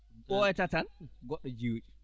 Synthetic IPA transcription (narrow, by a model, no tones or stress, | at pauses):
ɓɔɛtatanɡɔɗːɔd͡ʒiwt͡ʃi̥